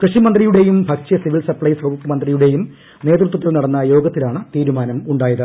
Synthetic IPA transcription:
krɨʂimɐnd̪rijuɽe̞jumbʱɐk̚t͡ɕɐsiʋilsɐrpɭɐjsrɐbuk̪ːɐmɐnd̪rijuɽe̞jum | ne̞ːd̪rut̪̬ːwɐt̪ːilnɐɽɐnːɐjo̞ːɡɐt̪ːilaːɳɨt̪iːɾumaːnɐmuɳɖaːjɐðɨ

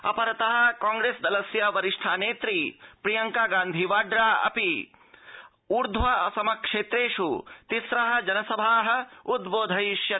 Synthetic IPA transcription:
ɐ̰pɐɾɐt̪ɐɦɐ̆kaːŋɡɾeːsd̪ɐlɐsjaʋɐɾiʂʈʰaːneːt̪ɾipɾijɐŋkaːɡaːnd̪ʱiʋaːɖɾaːɐ̰pi | uɾd̪ʱʋɐɐ̰sɐmɐkʂeːt̪ɾeːʂut̪isɾaɦɐ̆d͡ʒɐnɐsɐbʱaːɦɐ̆ud̪boːd̪ʱɐjʃjɐ

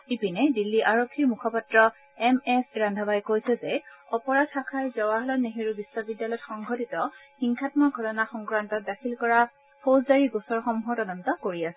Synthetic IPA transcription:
ipinɛdilːiʔaɹokʰːiɹmukʰɔpatɹɔ | ɛmɛsɹandʱabajkojsɛzɛɔpɔɹadtʰakʰajzɔwaɦɔlɔneɦiɹubisːɔbidjalɔjtxɔŋɡʱɔtitɔxiŋkʰatmɔɡʱɔtɔnaxɔŋkɹantɔt̚dakʰilkɔɹa | pʰozdaɹiɡusɔɹxɔmuɦɔtɔdɔntɔkoɹiasɛ

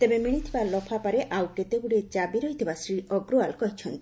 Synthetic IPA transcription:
t̪ebemiɽ̃it̪ʰibalɔpʰapaɾeʔawʈet̪ebuɽid͡ʒabiɾɔɦjt̪ʰibasɾiʔɔɡɾoalkɔɦit͡ʃʰɔnt̪i̥

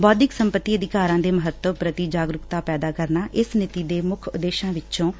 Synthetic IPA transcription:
bɔːd̪ɪksəmpət̪ːiːəd̪ɪkaːɾãːd̪eːməɦət̪ːəʋpɾət̪iːd͡ʒaːɡɾʊkt̪aːpɛːd̪aːkəɾnaːʔɪsnɪt̪iːd̪eːmʊkʰʊd̪eːʃãːʋɪt͡ʃõː

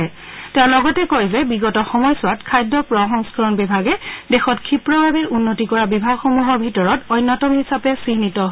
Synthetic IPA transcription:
tɛlɔɡɔtɛkojzɛbiɡɔtɔxɔmɔjsʊwatkʰajdɔpɹɔɦɔŋskɔɹɔnbibʱaɡɛdɛxɔtkʰipɹɔbʱabiɹunːotikɔɹabibʱaɡxɔmuɦɔɹbʱitɔɹɔtɔjnːɔtɔmhisapɛsinitɔɦ

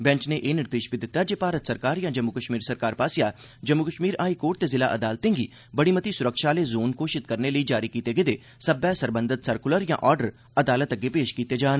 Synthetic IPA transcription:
bɛ̃ɲt͡ʃneʔeːnɪɾd̪eːʃbid̪ɪt̪ːad͡ʒepaːɾət̪səɾkaːɾjãːd͡ʒəmːukəʃmiːɾsəɾkaːɾpaːsɪjaːd͡ʒəmːukəʃmiːɾaːikoːɾʈ̚t̪ezɪla̰ːʔəd̪aːlt̪ẽːŋɡiː | bəɽimət̪isʊɾəkʃaːleːzoːnkoːʃɪt̪kəɾneləid͡ʒaːɾikiːt̪eɡed̪eː | səbɛːsəɾbənd̪ʱət̪səɾkʊləɾjã̰ːʔɔːɾɖəɾ | əd̪aːlət̪əɡepeːʃkiːt̪ed͡ʒaːn

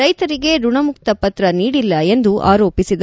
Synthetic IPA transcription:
ɐjt̪ɐɾiɡe̞ɾuɳɐmukt̪ɐpɐt̪ɾɐniːɽilːɐe̞nd̪uʔa̰ːɾoːpisid̪ɐ

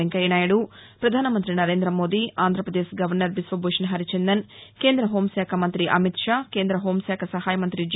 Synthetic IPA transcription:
ɐŋkɐjɐnaːjɐɽupɾɐd̪ʱaːnɐmɐnt̪ɾinɐɾe̞ːnd̪ɾɐmo̞ːd̪iʔaːnd̪ʱɾɐpɾɐd̪eːsɡɐʋɐɾnɐɾbisʋɐboːʂɐnɦɐɾit͡ʃend̪ɐnke̞ːnd̪ɾɐɦoːmsɛːkʰɐmɐnt̪ɾiʔɐ̰mit̪ʂaːkeːnd̪ɾɐɦoːmsaːkʰɐsɐɦaːjɐmɐnt̪ɾid͡ʒ

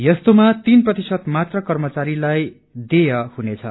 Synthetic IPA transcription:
jʌst̪omat̪inprʌt̪isʌt̪mat̪rʌkʌrmʌt͡saɾilaj | d̪ejʌhunet͡sʰʌ̰

